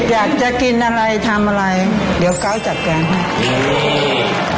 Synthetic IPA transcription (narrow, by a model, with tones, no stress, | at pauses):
jaː˨˩k̚t͡ɕa˧ki˧nʔa˧ɾa˧jt̪ʰa˧mʔaː˧ɾa˧jdi˩˦wka˦˥˩wt͡ɕa˨˩k̚ka˧n